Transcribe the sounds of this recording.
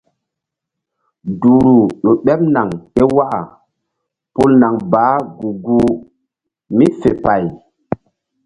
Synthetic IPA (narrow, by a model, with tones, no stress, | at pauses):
duː˨ɾu˨ɗo˨ɓɛ˦p̚na˨ŋke˦wa˦a̰˨ | pu˦lna˨ŋbaː˨˦ɡu˨ɡu˦ | mi˦fe˨pa˨j